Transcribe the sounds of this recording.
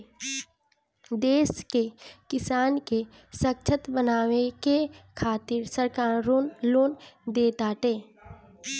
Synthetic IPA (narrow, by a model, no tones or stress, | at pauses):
d̪eːskekɪsaːnke | sək̚t͡ʃʰət̪bənaːʋekekʰaːt̪ɪɾsəɾkaːɾoːnloːnd̪eːt̪aːʈ̪eː